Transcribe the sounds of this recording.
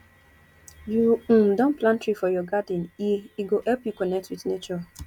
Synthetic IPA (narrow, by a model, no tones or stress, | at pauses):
juũm̩dɔ̃nplãntɹifɔjɔɡadĩniiɡohɛpjukɔnɛk̚twidnet͡ʃɔ